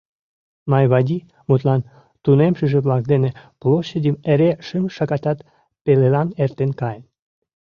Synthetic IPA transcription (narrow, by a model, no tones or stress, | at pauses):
mɑjβɑdʲi | mot̪lɑn | t̪unemʃəʒeβlɑk̚d̪eneploɕədʲimeɾeʃɨmʃɑkɑt̪ɑt̪ | pelelɑnert̪enkɑj